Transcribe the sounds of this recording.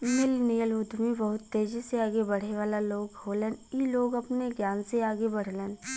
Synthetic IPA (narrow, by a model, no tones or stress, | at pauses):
mɪlnɪjəlʋʊd̪ʱmibɐɦʊt̪ːeːd͡ʒiseaːɡebɐɽ̤eʋaːlaloːɡɦoːleniloːɡɐpneɡjaːnseaːɡebɐɽ̤lən